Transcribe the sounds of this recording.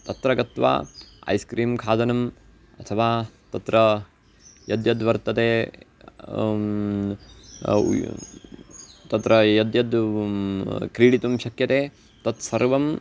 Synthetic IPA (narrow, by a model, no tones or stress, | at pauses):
t̪ɐt̪ɾɐɡɐt̪ʋa̰ːɐ̰jskɾiːmkʰaːd̪ɐnɐm | ɐt̪ʰɐʋaːt̪ɐt̪ɾɐ | jɐd̪jɐd̪ʋɐɾt̪ːɐt̪eː | t̪ɐt̪ɾɐjɐd̪jɐd̪ | kɾiːɽit̪umʃɐkjɐt̪eː | t̪ɐt̪sɐɾʋɐm